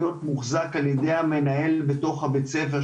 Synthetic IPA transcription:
jo̞t̪muχzakaljedejhame̞nae̞lbeto̞χhabet͡sefe

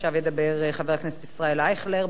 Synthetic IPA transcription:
ʃavjed̪abeʁeχaveʁaknese̥t̪isʁaelaeχleʁ

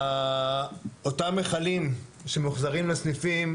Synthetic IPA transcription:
a | otamːeχalimʃe̞muχzaʁimlesnifim

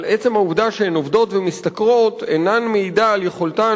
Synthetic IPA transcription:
lʔet͡se̞mhauvd̪aʃeenovd̪o̞tvemist̪akʁo̞t̪enanmeidaːljeχo̞lt̪a

